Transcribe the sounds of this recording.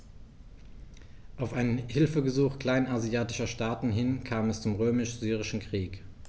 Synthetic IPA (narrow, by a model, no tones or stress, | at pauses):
ʔaʊfʔaɪnənhɪlfəɡəzuːxkl̥aɪnaziaːtɪʃɐʃtaːtn̩ɦɪnkʰaːmɛst͡sʊmʁøːmɪʃz̥yːʁɪʃn̩kʁ̥iːk